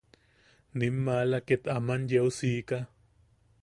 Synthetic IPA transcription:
nimːalaket̪amanjewsiːka

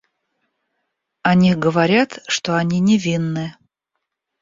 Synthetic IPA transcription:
ɐnʲixɡəvɐɾʲat̪ʂt̪oɐnʲinʲɪvʲinːɨ

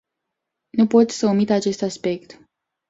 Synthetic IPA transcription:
nupo̞t̪sʲsəomit̪at͡ʃe̞st̪aspe̞kt̪

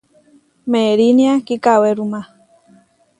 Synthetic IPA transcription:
meɾiniakikaweɾuma

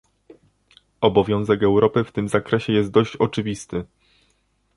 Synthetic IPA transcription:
ɔbɔvʲjɔ̃w̃zɛkɛwɾɔpɘft̪ɘmzakɾɛɕɛjɛst̪̚d̪ɔɕt͡ɕɔt͡ʂɘvʲist̪ɘ

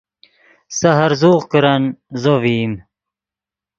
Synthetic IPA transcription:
sɐɦɐɾzuːʁkəɾanzoviːm

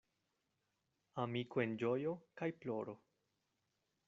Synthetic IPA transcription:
amikoe̞nd͡ʒo̞jo̞kajplo̞ɾo̞

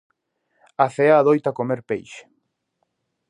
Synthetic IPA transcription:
aθeaːðojt̪akomeɾpejʃ

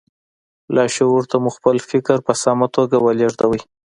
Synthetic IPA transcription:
lʔɑʃewuɾt̪amuxpəlfɪkɾpəsɑmat̪oɡawaleʐd̪awəj

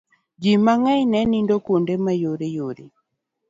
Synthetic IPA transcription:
d͡ʒimaŋainɛnindɔkondɛmajoɾejoɾe

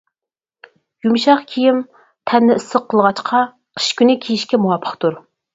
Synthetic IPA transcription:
jumʃɑχkʲʰijim | t̪ʰɛnːɪɨsːəqʰːəlˠʁɑt͡ʃqʰɑ | qʰə̥ʃkʲynɪkʲʰijiʃkʲɛmuwɑpʰːə̥χt̪uɾ

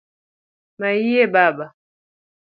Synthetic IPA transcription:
maijebaba

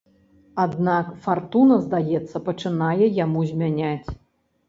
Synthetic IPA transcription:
ad̪nakfart̪unɐzd̪ajɛt̪sːɐpɐt͡ʂɨnajɛjamuzʲmʲanʲat͡sʲ

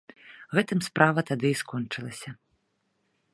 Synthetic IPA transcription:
ɣɛt̪ɨmspɾʔavɐt̪ad̪ɨiskɔnt͡ʂɨlˠɐsʲɐ

